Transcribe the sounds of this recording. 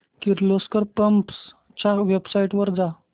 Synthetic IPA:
kiɾloskəɾpəmps | t͡ɕaʋebsaiʈʋəɾd͡za

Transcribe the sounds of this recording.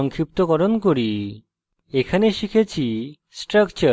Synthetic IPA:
ɔŋkʰip̚t̪oɡɔɾonkoɾi | ekʰaneʃikʰet͡ɕʰi | sʈɾakt͡ɕa

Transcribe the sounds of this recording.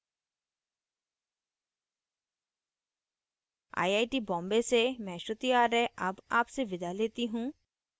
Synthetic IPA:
a̰ːjaːiʈibɔ̃ːmbesemɛ̃ːʃʊt̪ijaːɾɛɐbaːpseʋɪd̪ʱaleːt̪iɦũː

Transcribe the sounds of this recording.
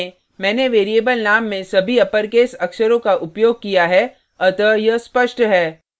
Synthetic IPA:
mɛ̃ːneʋeːɾieːbəlnaːmːẽsɐbʱiɐpəɾkeːsɐkʃəɾõkaʔʊpjoːɡ̚kijaɦɛ | ɐt̪əjɐspəʃʈɦɛː

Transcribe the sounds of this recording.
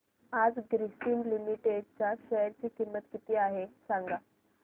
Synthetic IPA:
ad͡zɡɾisinlimiʈeɖ̚t͡ɕaɕɛjɾt͡ɕiːkimːət̪kit̪iːaɦesaŋɡa

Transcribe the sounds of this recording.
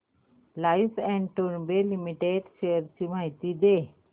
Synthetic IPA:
lajfɛ̃ɳɖʈoɾbelimiʈeɖʃejəɾt͡ɕimaɦit̪id̪e

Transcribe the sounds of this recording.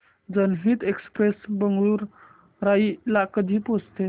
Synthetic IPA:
d͡zənɦiːt̪ekspɾesbəŋɡɭuːɾ | ɾailakəd̪ʱiːpost̪e

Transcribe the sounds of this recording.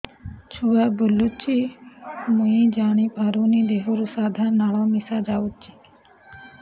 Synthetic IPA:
t͡ʃʰuabulːut͡ʃʰi | mũjd͡ʒaɽ̃ipaɾunid̪eɦoɾusad̪ʱaɾnaɭɔmisad͡ʒaut͡ʃʰi

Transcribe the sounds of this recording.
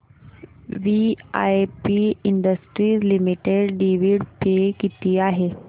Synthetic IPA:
ʋia̰jpiiɳɖəsʈɾiːslimiʈeɽɖiʋiɽpekit̪iːaɦe

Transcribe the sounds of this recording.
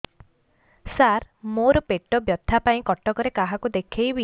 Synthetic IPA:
saɾmoɾɔpeʈɔbjɔd̪ʱapaĩkɔʈɔkɔɾekaɦakud̪ekʰejbi

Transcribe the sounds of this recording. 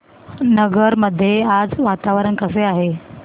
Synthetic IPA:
nəɡəɾməd̪ʱːjead͡zʋat̪aʋəɾənkəseaɦe

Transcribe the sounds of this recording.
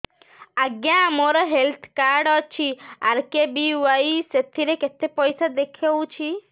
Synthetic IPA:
aɡjãmoɾɔɦelt̪ʰkaɾɖɔt͡ʃʰia̰ɾkebiwajset̪ʰiɾeket̪epɔjsad̪ekʰewt͡ʃʰi

